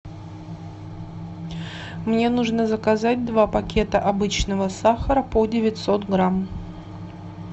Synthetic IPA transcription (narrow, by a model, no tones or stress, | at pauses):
mnʲe̞nuʐnəzəkɐzatʲd̪vapɐkʲe̞t̪əʔɐbɨt͡ɕnəvəsaxəɾəpodʲɪvʲɪtʲsot̪ɡɾam